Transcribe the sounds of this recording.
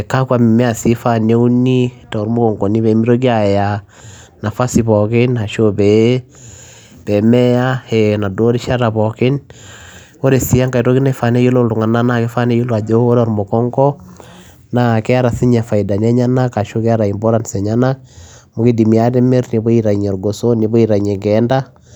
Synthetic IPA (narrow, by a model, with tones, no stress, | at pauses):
ka˦kwa˨mi˨mɛ˦a˨si˦fa˦ne˦u˦ni˦tɔ˨ɾmo˦kɔ˨ŋɡɔ˨ni˦βɛ˨˦mi˦ɾo˦ki˦a˨ja˨ | na˨fa˦sibɔkɪ˦na˨ʃobɛ | b̥ɛ˨mɛ˦a˦hɛna˨do˦ɾi˦ʃa˦ɾa˨pɔ˨kɪ˦n | o˦ɾe˨si˦a˦ŋka˨i˨ɾo˦ki˦nɛ˦fa˨ne˦jo˦lo˦ltu˨ŋa˨na˦nake˦fa˦ne˦jo˦lo˦a˨d͡ʒo˦o˦ɾɔ˨ɾmo˨kɔ˦ŋɡɔ˦ | nakɛ˦a˦ɾa˨si˦ɲa˨fa˨ida˨nɛ˦ɲa˦na˦ka˨ʃo˦kɛ˦a˦ɾa˨i˨mbɔ˦ɾa˦nsɛ˨ɲa˦na˦k̚ | mo˨ki˦di˨mi˨a˦tɛ˦me˦ɾni˨bo˦iɾa˨ɲ˨ɔ˨ɾɡo˨so˦ni˨bo˦i˨ɾa˨ɲɛ˨ɡɛ˦nda˦